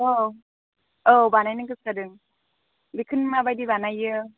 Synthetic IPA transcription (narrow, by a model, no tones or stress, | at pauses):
o | obanajnɯŋkɯskadɯŋ | bikʰɯnmabajdibanajɯ